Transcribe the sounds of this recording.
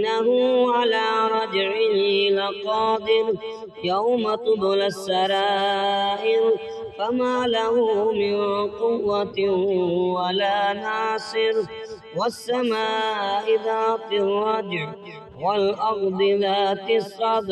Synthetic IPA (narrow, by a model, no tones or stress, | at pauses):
aɦʊʕalaːɾˤɑd͡ʒʕɪlaqɑːd̪ˤɪɾ | jawmat̪ˤʊd̪lasːɑɾaːʔɪɾ | famaːlahʊmɪnqʊwːat̪ | walaːnaːsˤɨɾ | wasːamaːʔɪðaːfɪrˤːɑd͡ʒʕ | walʔɑɾd̪ˤɨlaːt̪ɪsˤːɑd̪